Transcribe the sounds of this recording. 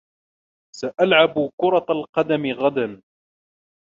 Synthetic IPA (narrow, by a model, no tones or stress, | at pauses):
saʔalʕabkʊɾˤɑt̪alqɑd̪amɪɣad̪an